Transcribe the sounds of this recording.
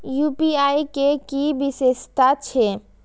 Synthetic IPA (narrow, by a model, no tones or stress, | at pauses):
jupiaikekibisest̪at͡ʃʰe